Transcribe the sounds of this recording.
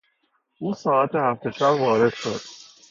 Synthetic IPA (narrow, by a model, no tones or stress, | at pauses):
ʔuːsɒːæt̪ʰehæft̪ʰeʃæbvɒːɾed̪̥ʃod̪̥̚